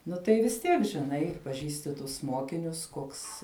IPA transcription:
ˈnʊ tɐɪ ʋʲɪs ˈtʲiɛk ʒʲɪˈnɐɪ pɐˈʒʲiːsʲtʲɪ tʊs ˈmoːkʲɪnʲʊs ˈkoːks

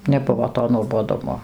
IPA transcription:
nʲɛˈbʊʋoː toː nuɔboːˈdʊmoː

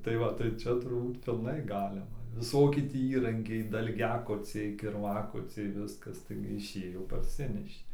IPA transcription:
tɐɪ ˈʋɐ tɐɪ ˈt͡ʃʲɛ tʊrˈbuːt pʲɪlˠˈnɐɪ ˈɡɑːlʲɪmɐ ʋʲɪˈsoːkʲɪ ˈtʲiː ˈiːrɐŋʲkʲɛɪ dɐlʲˈɡʲæːkoːt͡sʲɛɪ kʲɪrˈʋɑːkoːt͡sʲɛɪ ˈʋʲɪskɐs tɐɪɡʲɪ ɪˈʃʲeːjoː pɐrʲˈsʲɪnʲɛʃʲeː

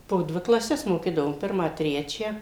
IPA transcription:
poː ˈdʲʋʲɪ klˠɐˈsʲɛs moːˈkʲiːdɐʋoːm ˈpʲɪrmɑː tʲrʲɛt͡ʃʲæː

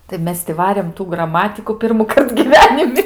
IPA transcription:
tɐɪ ˈmʲɛs tʲɪ ˈʋɑːrʲeːm tuː ɡrɐˈmɑːtʲɪkʊ pʲɪrmʊˈkɐrt ɡʲiːˈʋʲæːnʲɪmʲɪ

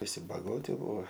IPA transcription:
ʋʲɪˈsʲɪ bɐˈɡoːtʲɪ ˈbuːoː

